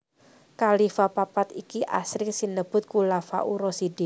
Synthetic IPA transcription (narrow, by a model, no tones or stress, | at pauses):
kalifapapat̪ikiʔa̰sɾɪksinəb̥ʊ̤t̪̚kulafa̰ʔuɾɔside